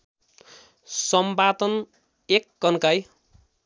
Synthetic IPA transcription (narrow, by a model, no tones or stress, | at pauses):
sʌmbat̪ʌn | ekːʌnkaj